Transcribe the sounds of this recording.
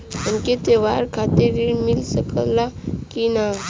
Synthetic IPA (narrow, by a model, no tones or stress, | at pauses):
ənket̪eʋaːɾkʰat̪iɾimilsəkəlakina